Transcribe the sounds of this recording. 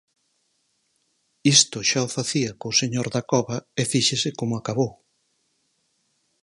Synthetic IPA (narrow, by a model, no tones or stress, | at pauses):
ist̪ʊʃaʊfaθiɐkoseɲoɾðakɔβɐefiʃesɪkomʊakaβow